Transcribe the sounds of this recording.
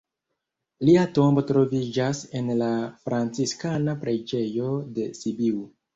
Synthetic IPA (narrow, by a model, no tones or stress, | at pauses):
liato̞mbo̞tɾo̞vid͡ʒase̞nlafɾant͡siskanapɾe̞d͡ʒe̞jo̞de̞sibiw